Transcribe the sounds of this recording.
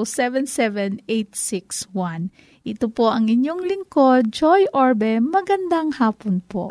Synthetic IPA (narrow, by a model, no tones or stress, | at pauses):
sɛvɛnsɛvɛnʔejt̪̚sikswan | ʔɪt̪opoʔɐŋɪɲjoŋlɪŋkod͡ʒojʔoɹbɛmɐɡɐnd̪aŋhaːponpo̰ʔ